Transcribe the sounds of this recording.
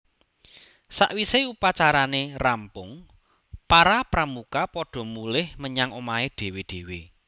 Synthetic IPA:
sa̰ʔwiseupat͡ʃaɾanerampʊŋ | paɾapɾamukapɔɖ̥ɔ̤mulɪhməɲaŋomaed̥e̤weɖ̥ewe

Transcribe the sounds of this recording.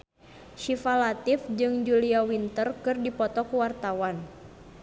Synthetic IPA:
ʃifalat̪ifd͡ʒɨŋd͡ʒuliawint̪ərkɨrdipɔt̪ɔkuwart̪awan

